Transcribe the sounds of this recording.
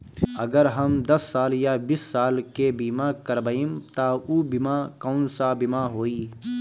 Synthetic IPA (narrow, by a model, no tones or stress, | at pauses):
əɡəɾɦəmd̪ɐsːaːljabisːaːlkebiːmakəɾbəimt̪aubɪmakəːnsabɪmaɦoːiː